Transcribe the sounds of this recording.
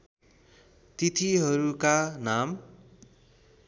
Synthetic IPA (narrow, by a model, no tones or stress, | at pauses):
t̪it̪ʰiɦʌɾukanam